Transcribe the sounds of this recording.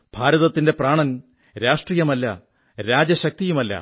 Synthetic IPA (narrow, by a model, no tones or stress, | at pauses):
b̥ʱaːɾɐðɐt̪ːinde̞praːɳɐn | ɾaːʂʈrijɐmɐlːɐ̰ | ɾaːd͡ʑɐɕɐk̚t̪ijumɐlːɐ̰